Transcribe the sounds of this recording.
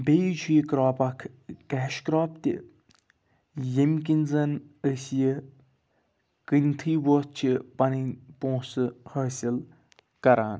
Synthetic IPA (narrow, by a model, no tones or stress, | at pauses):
beːjd͡ʒʰujikɾaːpɐkʰ | kæːʃkɾaːp̚t̪ḭ | jimkinzɐnəsji | kɨnʲt̪ʰiːʋoːt̪̚t͡ʃʰipɐninʲpõːsɨhəːsil | kɐɾaːn